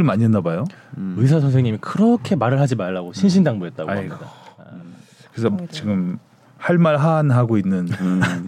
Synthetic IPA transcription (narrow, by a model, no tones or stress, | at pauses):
ɯɭmaɲiɦʌnːabajoɯis̬ʰas̬ʰʌŋsʰeŋɲimikɯɾʌkʰe̞maɾɯɭɦad͡ʑimaɭːaɡoɕʰinɕʰindaŋbuɦe̞t̚t͈aɡ̰a̰ida | kɯesʰʌt͡ɕiɡɯm | haɭmaɭɦanɦaɡoinːɯn